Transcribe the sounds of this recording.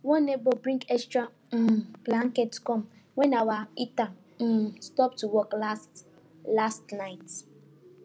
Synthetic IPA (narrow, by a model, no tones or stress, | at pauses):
wɔnebobɾĩŋkɛkstɾa | b̥laŋ̩ketkɔm̩ | wɛnawaita | stɔp̚tuwɔklas | lastnaɪt